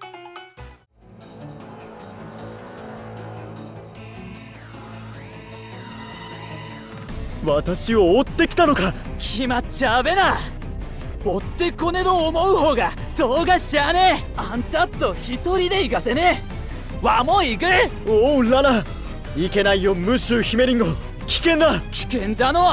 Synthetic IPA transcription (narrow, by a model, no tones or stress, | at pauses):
βat̪aɕioːt̪ːe̞kʲi̥t̪ano̞kakʲʰimat͡ɕaːbe̞na | ot̪ːe̞ko̞ne̞d̪oːmo̞ɯ̟ho̞ːɡa | t̪o̞ːɡaɕane | ãnt̪at̪ːo̞çit̪o̞ɾʲid̪e̞iɡase̞ne | βamo̞iɡɯ | oːlana | ike̞naijomɯ̟ɕɨçime̞ɾʲĩŋɡo | kʲi̥kẽ̞nd̪akʲi̥kẽ̞nd̪ano̞